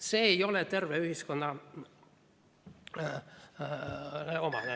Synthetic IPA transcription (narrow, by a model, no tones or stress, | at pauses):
seːjo̞let̪e̞rveyhiskonːɑ | neo̞mɑ̰ne